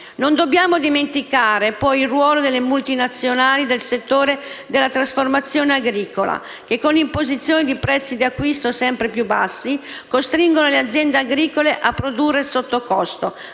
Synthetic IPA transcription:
nond̪obːjaːmod̪iment̪ikaːɾepɔjilrwɔːlod̪elːemult̪inat̪sːjonaːlid̪elset̪ːoːɾed̪elːat̪ɾasformat̪sːjoːneaɡɾiːkola̰ | k̟ekːonimpozit̪sːjoːnid̪ipɾɛt̪sːid̪iakːwist̪osɛmpɾepjubːasːi | kost̪ɾiŋɡonolead̪zːjɛnd̪eaɡɾiːkoleʔapːɾod̪urːesot̪ːokɔst̪o

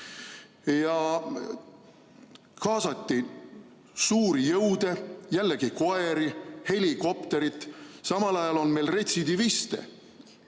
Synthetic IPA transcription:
jɑ | kɑːsɑt̪ːi | suːɾijɤwd̪̥e̞jælːeɡ̥iko̞e̞ɾihe̞liko̞pt̪e̞ɾit̪ːˑsɑmɑlɑjɑlo̞nme̞lre̞t̪ʲsid̪ivist̪ḛ

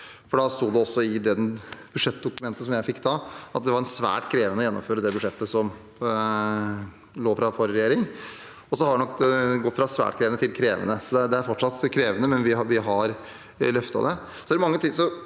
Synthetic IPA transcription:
fɔɖɑst̪uːd̪ɛɔsːɔɪd̪ɛnb̥ʉdʂɛt̪ːd̪ʊkʉmɛnt̪əsɔmjæɪfɪkːd̪ɑɑt̪̚d̪ɛʋɑɾɛnsʋæ̰ːʈkʰɾeːʋənəɔjɛnːɔ̰mføːɾəd̪ɛbʉʂɛt̪ːəsɔm | loːfɾɑfɔɾɾɛjeːɾɪŋ | ɔsɔhɑɖɛnɔkːɡɔt̪ːfɾɑsʋæ̰ːʈkʰɾeːʋənət̪ʰɪlkʰɾeːʋə̰nəsɔd̪ɛɖ̪ɛæɾfɔʈʂɑt̪ːkʰɾeːʋənəmɛnʋɪʋɪɦɑɾ | lœft̪ɑ̰d̪ɛ | sɔd̪æɾmɑŋːət̪ʰɪsɔ

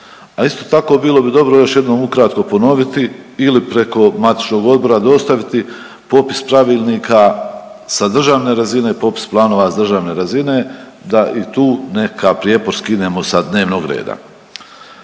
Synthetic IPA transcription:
aist̪o̞t̪ako̞ːbiːlˠo̞bid̪o̞bɾo̞jo̞ʃje̞d̪no̞ːmukɾat̪ko̞po̞no̞ʋit̪iilipɾe̞ko̞mat̪i̥t͡ʃno̞ɡo̞d̪̚bo̞ɾad̪o̞st̪aʋit̪i | po̞pi̥spɾaʋiːlniːkʰa | sad̪r̩ʒaːʋne̞ɾazine̞po̞pi̥splˠaːno̞ːʋasad̪r̩ʒaːʋne̞ɾazine̞ | d̪aʔit̪uːne̞kʰapɾije̞ːpo̞ɾskid̪e̞ːmo̞sad̪ne̞ːʋno̞ːɡɾḛːd̪a̰

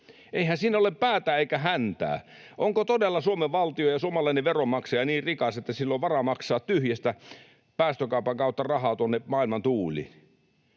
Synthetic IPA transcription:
eihænsiːnːæoleppæːt̪æːeikæhænt̪æ̰ː | ʔoŋkot̪odelːɑsuomeʋʋɑlt̪iojɑsuomɑlɑineʋʋeromɑkseɑniːrrikɑset̪ːæsilːoʋʋɑrɑmɑksɑːt̪t̪yhjest̪æ | pæːst̪økɑupɑŋkɑut̪ːɑrɑhɑːt̪uonːemɑilmɑnt̪uːlḭ

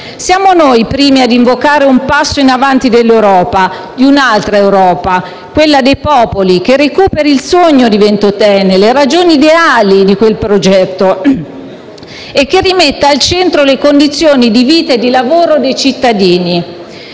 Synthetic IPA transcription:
sjaːmonojpɾiːmiad̪iɱvokaːɾeumpasːoinavant̪id̪elːewɾɔːpa | d̪iunalt̪ɾaewɾɔːpa | kwelːad̪ejpɔːpolik̟erːekuːpeɾiilsoɲːod̪ivent̪ot̪ɛːneleɾad͡ʒoːniːd̪eaːlid̪ikwelpɾod͡ʒɛt̪ːo | ek̟ːerːimet̪ːealt͡ʃɛnt̪ɾolekond̪it̪sːjoːnid̪iviːt̪aed̪ilavoːɾod̪ejt͡ʃit̪ːad̪iːni

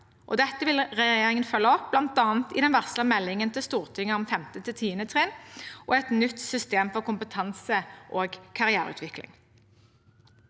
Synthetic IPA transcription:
ʔɔ̰d̪ɛt̪ːəʋɪlʁɛjeːʁɪŋənfœlːəɔp̚b̥lɑnt̪ɑːnt̪ɪ̰d̪ɛnʋæʁslɑmɛlːɪŋənt̪ʰɪlst̪uːʁt̪ʰɪŋːəɔmfɛmt̪ət̪ʰɪlt̪ʰiːənət̪ʰʁɛnʔo̰ːɛt̪nʏt̪sʏst̪eːmfɔʁkʊmpət̪ʰɑnsəʔoːɡkʰɑʁɪæːʁʉ̰ːt̪ʋɪklɪ̰ŋ

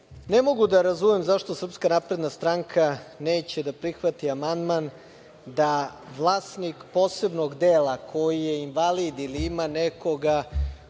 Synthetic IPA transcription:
ne̞mo̞ɡud̪aɾazumemzaʃt̪o̞sr̩pskanapɾe̞d̪nast̪ɾaŋkʰane̞ːt͡ɕed̪apɾixʋat̪iamand̪man | d̪aʋlˠaːst̪nikpo̞ːse̞bnoɡd̪eːlˠakʰo̞jijeinʋalid̪iliimaneko̞ɡa

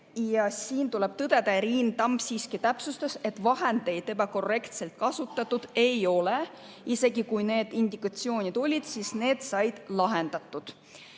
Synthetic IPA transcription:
jɑsiːnt̪ule̞b̥t̪ɤd̪̥e̞d̪ɑɾiːnt̪ɑmb̥siːskit̪æpsust̪ese̞t̪ːˑvɑɦend̪e̞jd̪̥ebɑko̞rːe̞kt̪se̞lt̪̚kɑsut̪ːˑɑt̪ːud̪̥e̞jo̞le | ise̞ɡikujne̞ːd̪̥ind̪ikɑt̪sio̞ːnʲid̪̥o̞lʲid̪̥siːsne̞ːd̪̥sɑjd̪̥lɑɦe̞nd̪̥ɑt̪ːˑud̪̥

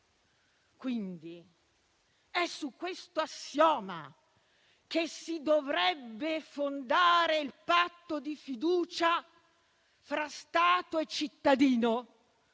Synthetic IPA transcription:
kwind̪i | ɛsukːwest̪oasjɔːma̰ | kesid̪ovɾɛbːefond̪aːɾeilpat̪ːod̪ifid̪uːt͡ʃa | fɾast̪aːt̪oet͡ʃːit̪ːad̪iːno

